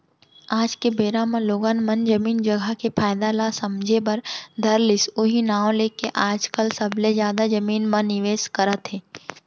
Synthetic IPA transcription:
aːd͡ʒkebeːɾamẽloːɡaːnmɐnd͡ʒəmiːnd͡ʒəɡʱakepʰaːjɪd̪alasɐmd͡ʒʱebɐɾd̪ʱɐɾlɪsoɦinaːõlekeʔaːd͡ʒkəlsɐbʱlezjaːd̪ad͡ʒɐmiːnmɐ̃nɪʋeːskəɾət̪ɦeː

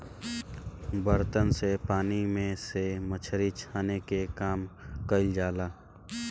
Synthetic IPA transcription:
bəɾt̪ənsepaːnimẽsemət͡ʃʰəɾit͡ʃʰaːnekekaːmkəɪld͡ʒaːlaː

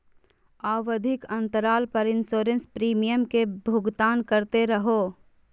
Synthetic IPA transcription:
aːʋəd̪ʱɪkə̃nt̪əɾaːlpəɾɪnsoːɾə̃nspɾiːmijəmkebʱʊɡt̪aːnkəɾt̪eɾəɦo

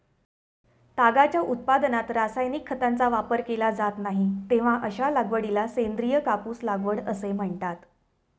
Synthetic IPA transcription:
t̪aɡat͡ɕjaʔut̪̚pad̪nat̪ɾasajnikʰːət̪ant͡saʋapəɾkelad͡zat̪naɦit̪eʋ̤aʔəɕalaɡʋəɽilasend̪ɾijəkapuːslaɡʋəɽəsem̤əɳt̪at̪

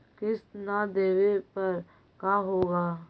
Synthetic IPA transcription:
kɪsnad̪eːʋepɐɾ | kaːɦoːɡaː

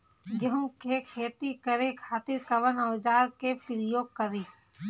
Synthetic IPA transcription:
ɡɐɦũkekʰeːt̪ikəɾekʰaːt̪ɪɾkɐʋənɐːd͡ʒaːɾkepɾɪjoːɡ̚kəɾeː

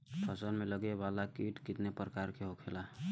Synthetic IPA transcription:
pʰəsənmeləɡebalakiʈkit̪nepɾəkaɾkeɦokʰela

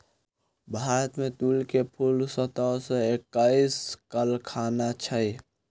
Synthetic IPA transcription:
bʱaɾət̪mẽt̪ulkepʰulsət̪əsə̃ekːaiskəlkʰanat͡ʃʰəj

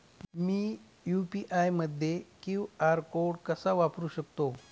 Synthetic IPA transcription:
miː | jupiʔajməd̪ʱjekĩwaɾkoɽkəsaʋapɾuːɕək̚t̪o

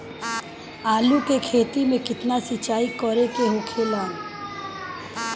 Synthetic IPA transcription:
aːlukekʰeːt̪imẽkɪt̪nasɪt͡ʃaːikɔɾekeɦokʰeːlaːn

